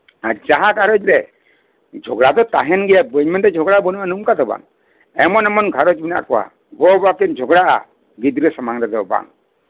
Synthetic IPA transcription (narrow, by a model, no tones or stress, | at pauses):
ad͡ʒaɦaɡʱaɾɔd͡ʒɾɛ | d͡ʒʱɔɡɽad̪ɔt̪a̰ɦɛnɡɛjabɯɲmɛndɛd͡ʒʱɔɡabɔnuʔanumkat̪ɔba̰ŋ | ɛmɔnɛmɔnɡʱaɾɔd͡ʒbinaʔakɔwa̰ | ɡɔbakind͡ʒʱɔɡɽaʔa̰ | ɡid̪ɾɛsamaŋɾɛd̪ɔɔba̰ŋ